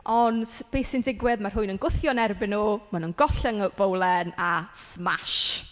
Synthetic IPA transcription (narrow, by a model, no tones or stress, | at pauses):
ɔnd̥b̥eːsɪndɪɡwɪðmar̥ɦʊɨnənɡʊθjɔnɛrbɪnuːmanunɡɔɬaŋvowlˠɛnasmaʃ